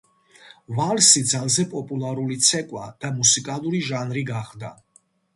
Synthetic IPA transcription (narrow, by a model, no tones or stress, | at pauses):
valsid̪zalˠzɛpʼɔpʼulˠaɾulit̪sʰɛkʼwad̪̥amusikʼalˠuɾiʒanɾiɡaχd̪a̰